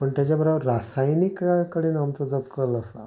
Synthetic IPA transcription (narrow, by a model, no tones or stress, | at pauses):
pəɳt̪jat͡ɕabəɾaʋəɾːasajnikakəɽeːnamt̪od͡zəkːələsa̰